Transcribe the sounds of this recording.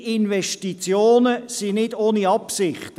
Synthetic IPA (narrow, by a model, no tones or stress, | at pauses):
ɪnʋɛʃtit͡sjoːnəsinɪdoːniɑpsɪχt